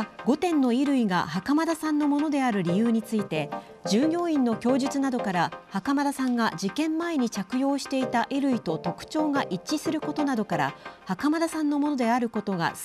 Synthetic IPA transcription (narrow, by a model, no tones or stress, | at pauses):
ɡo̞t̪ẽ̞nːo̞iɾɯ̟iɡa̰hakamad̪asãnːo̞mo̞no̞d̪e̞aɾɯ̟ɾʲijɯːɲ̟it͡sɨit̪e̞ | d͡ʑɨːɡʲo̞ːĩnːo̞kʲo̞ːʑɨt͡sɨnad̪o̞kaɾahakamad̪asãŋɡad͡ʑikẽ̞mːae̞ɲ̟it͡ɕakɯ̟jo̞ːɕi̥t̪e̞it̪aʔiɾɯ̟it̪o̞t̪o̞kɯ̟̥t͡ɕo̞ːɡaʔit͡ɕːisɨɾɯ̟ko̞t̪o̞nad̪o̞kaɾa̰hakamad̪asãnːo̞mo̞no̞d̪e̞aɾɯ̟ko̞t̪o̞ɡa̰s